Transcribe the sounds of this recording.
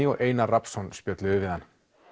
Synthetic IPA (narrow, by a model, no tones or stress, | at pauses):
iɔɣʔeːjnarapsɔnspjœt̪lɪʏvɪðanː